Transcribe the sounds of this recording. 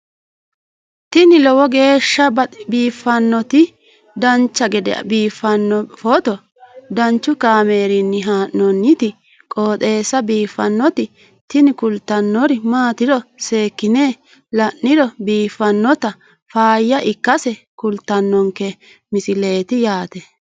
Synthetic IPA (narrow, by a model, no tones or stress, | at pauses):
t̪ɪnɪlɔwɔɡe̞ːʃːɐbɐbiːfːɐnːɔt̪ɪ | d̪ɐnt͡ʃːɐɡɛd̪ɛ̰ɐ̰biːfːɐnːɔfɔt̪ɔ | d̪ɐnt͡ʃːʊkaːmeːɾɪnːɪɦaːʔnɔnːɪt̪ɪ | kʼoːt̪ʼe̞ːsɐbiːfːɐnːɔt̪ɪ | t̪ɪnɪkʊlt̪ːɐnːɔɾɪmaːt̪ɪdɔse̞ːkːɪneː | lɐʔːɪdɔbiːfːɐnːɔt̪ɐ | faːjːɐʔɪkːɐsɛ | kʊlt̪ːɐnːɔŋkɛ | mɪsɪle̞ːt̪ɪjaːt̪ɛ